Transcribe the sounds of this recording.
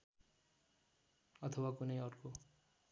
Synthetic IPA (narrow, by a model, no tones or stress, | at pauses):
ʌt̪ʰʌwakunʌjʌrko